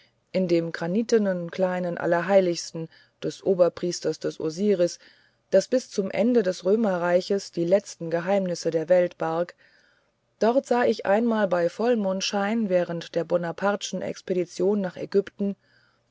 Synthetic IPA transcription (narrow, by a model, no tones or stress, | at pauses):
ʔɪndeːmɡʁaniːtənənkl̥aɪnənʔa̰lɐɐɦaɪlɪçstn̩ | d̥ɛsʔoːbɐpʁ̥iːstɐsd̥ɛsʔo̰ziːʁɪs | d̥asb̥ɪst͡sʊmʔɛ̰ndədɛsʁøːmɐʁaɪçəsd̥iːlɛt͡stn̩ɡəɦaɪmnɪsədeːɐvɛltb̥aɐk | d̥ɔʁtz̥aːɪçʔa̰ɪnmaːlbaɪfɔlmʊntʃaɪnvɛːʁəntd̥eːɐbɔnapʰaɐdʃn̩ʔɛ̰kspeɾit͡sjoːnːaːχɛ̰ɡʏptn̩